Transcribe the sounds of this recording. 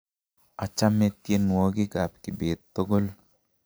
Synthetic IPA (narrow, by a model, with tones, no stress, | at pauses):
a˨t͡ʃa˦me˦t̪je˦nwo˦ɡi˦ɡa˨p̚kɪ˨be˨t̪tːo˦ɡo˦l